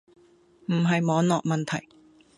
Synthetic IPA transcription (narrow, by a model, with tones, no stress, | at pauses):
m̩˨˩ɦɐ˨jmɔː˨˥ŋnɔː˨k̚mɐ˨nt̪ʰɐ˨˩j